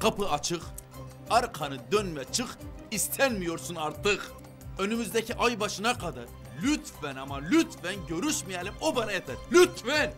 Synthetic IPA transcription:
qʰapɯat͡ʃʰɯχ | aɾqʰanɯd̪ønmɛt͡ʃʰɯχ | ist̪ʰænmijo̞ɾsunaɾt̪ʰɯχ | ø̞nymyzd̪ɛcʰiʔajbaʃɯnakʰad̪a̰ɾ | lʲyt̪vænamalʲyt̪fænɟø̞ɾyʃmijɛlʲimobanajɛt̪ʰæɾlʲyt̪fæn

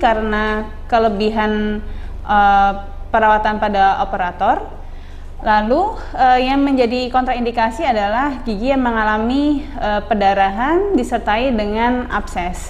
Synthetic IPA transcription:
kaɾəna | kələbiɦan | ʔə | pəɾawat̪anpadaʔopəɾat̪ɔr | lalu | əjaŋməɲd͡ʒadikɔnt̪ɾaindikasiadalahd͡ʒiɡijaməŋalamiəpədaɾaɦandisərt̪aidəŋana̰psɛs

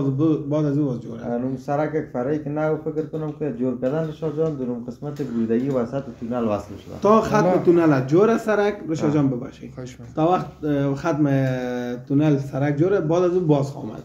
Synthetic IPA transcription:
zbbɔd̪azubɔzd͡ʒoɾa̰numsaɾakakfaɾaikɪnawfɪkɾkʊnʊmkɪd͡ʒoɾkad̪anɾɪʃɔd͡ʒɔnd̪ʊɾumqəsmat̪ɪɡɾud̪aɡiwasat̪ɪt̪unalwaslʃʊd̪a̰t̪ɔxat̪mɪt̪unalad͡ʒoɾasaɾakɾɪʃɔd͡ʒɔmbɪba̰ʃḭ | t̪ɔwaxt̪xat̪mɪt̪unalsaɾak̚d͡ʒoɾabɔd̪azubɔzɔ̰ma̰d̪

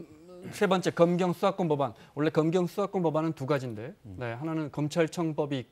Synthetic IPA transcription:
sʰe̞bʌnt͡ɕ͈e̞kʌmɡjʌŋs͈ʰuak͈onbʌban | wʌɭːe̞kʌmɡjʌŋs͈ʰuak͈onbʌbanɯntuɡad͡ʑinde̞one̞hananɯnkʌmt͡ɕʰaɭt͡ɕʰʌŋbʌbiːk̚k

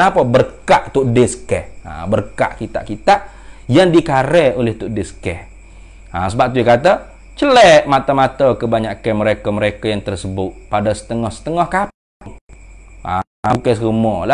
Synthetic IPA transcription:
napəbərkaʔt̪uʔdɪskɛha̰bərka̰ʔkit̪a̰ʔkit̪aʔ | jaŋdikaɾɛolɛht̪uʔdɪskɛh | asəbap̚t̪ujakat̪ə | t͡ʃəlɛʔmat̪amat̪əkəbaɲaʔkəməɾekaməɾekajaŋt̪ərsəbʊt̪̚padasə̥t̪əŋɔhsə̥t̪əŋɔhkap̚ | aŋ | a̰ | kasumɔla

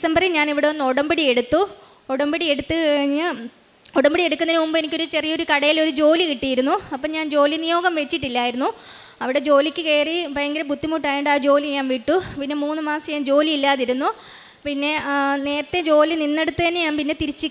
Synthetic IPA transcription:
isɐmbɐrilɲaːniʋiɽeɐnːo̞ɽɐmbiɽieɽut̪ːu | oɽɐmbiɽie̞ɽut̪ːɨɐɻɻɲːɨ | oɽɐmbiɽie̞ɽukʲːunːɐinmumbenikʲːoɾut͡ɕe̞rijɐo̞ɾukɐɽɐjilo̞ɾud͡ʑo̞ːlikiʈːijiɾunːuɐpːoːɲaːnd͡ʑo̞ːlinijo̞ːɡɐmʋet͡ɕːiʈːilːaːjiɾunːu | ɐʋiɽe̞d͡ʑo̞ːlikʲːɨke̞ːriʋɐjɐŋɡiɾebut̪ːimuːʈːaːjeɳɖaːd͡ʑo̞ːliɲaːnʋiʈːupinːe̞muːnːɨmaːsɐjaːnd͡ʑo̞ːliilːaːðiɾunːu | pinːe̞ne̞ːɾɐt̪ːed͡ʑo̞ːlininːe̞ɽut̪ːɐðɐnːeɲaːnpinːet̪iɾit͡ɕːi

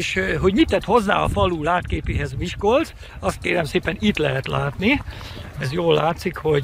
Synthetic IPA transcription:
ʃɦo̞ɟmit̪ːɛt̪ho̞zːa̰ːɒ̰fɒluːlaːt̪keːpeːɦɛzmiʃkolt̪ | ɒst̪̚keːɾɛmseːpɛnit̪lɛɦɛt̪laːt̪niɛzjoːlːaːt̪sikho̞

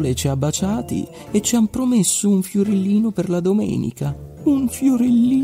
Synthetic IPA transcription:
let͡ʃiabːat͡ʃaːt̪ḭ | et͡ʃːiampɾomesːouɱfjoɾelːiːnoperlad̪omɛ̰ːnḭka | uɱfjoɾelːiː

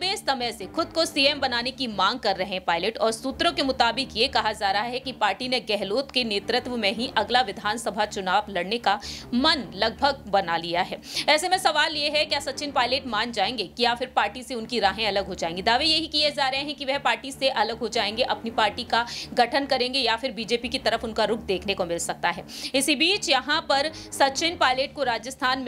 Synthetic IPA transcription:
ʋeːsɐməjsexʊd̪̚kosiːeːmbɐnaːnekimãːŋɡ̚kɐɾːɐɦẽɦɛ̃paːɪleːʈɔːɾsuːt̪ɾõkemʊt̪aːbɪkjekɐɦad͡ʒaːɾɐɦaɦɛkipaːɾʈineɡɛɦloːt̪keneːt̪ɾɪt̪ʋmẽɦiʔɐɡlaʋɪd̪ʱaːnsɐbʱat͡ʃʊnaːblɐɽnekamɐnlɐɡ̚bʱəɡ̚bɐnalijaɦɛːɛːsemɛ̃sɐʋaːljeɦɛkjaːsɐtːt͡ʃɪnpaːɪleːʈmaːnd͡ʒaːẽːŋɡekijaːfɪɾpaːɾʈiseʊnkiɾaːɦẽɐləɡɦod͡ʒaːẽːŋɡid̪aːʋejeɦikijed͡ʒaːɾɐɦẽɦɛ̃kiʋɛɦpaːɾʈiseʔɐləɡɦod͡ʒaːẽːŋɡeʔɐpnipaːɾʈikaɡɐʈʰənkɐɾẽːŋɡejafɪɾbiːd͡ʒeːpikit̪ɐɾəfʊnkaɾʊkʰd̪eːkʰnekomɪlsɐk̚t̪aɦɛːɪsibiːt͡ʃjɐɦãpɐɾ | sɐtt͡ʃɪnpaːɪleːʈ̚koɾaːd͡ʒjəst̪ʰaːnm

